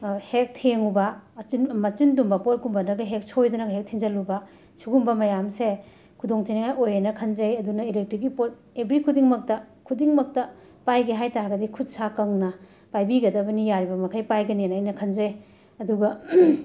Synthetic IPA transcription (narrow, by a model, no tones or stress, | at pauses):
hek̚tʰeŋubɐɐinmɐt͡ʃindumbɐpot̚kumbɐnɐɡɐɦek̚sojdɐnɐɡɐɦek̚tʰiŋzɐlubɐ | suɡumbɐmɐjamse | kʰudoŋtʰiniŋajʔojanɐkʰɐnzɐjɐdunɐilek̚tɾikipot̚ | ebɾikʰudiŋmɐk̚tɐkʰudiŋmɐk̚tɐ | pajɡiɦajtaɡɐdikʰut̚sakɐŋnɐ | pajbiɡɐdɐbɐnijaɾibɐmɐkʰajpajɡɐnenajnɐkʰɐnzej | ɐduɡɐ